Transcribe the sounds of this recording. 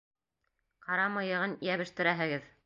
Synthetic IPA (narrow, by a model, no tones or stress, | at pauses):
qɑɾɑmɤ̆jɤ̆ʁɤnjæβɘ̆ʃt̪ɘ̆ɾæɦɘ̆ɡɘð